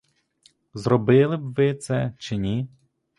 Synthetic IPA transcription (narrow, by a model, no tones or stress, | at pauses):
zɾɔbɪlˠɪbʋɪt̪sɛt͡ʃɪnʲi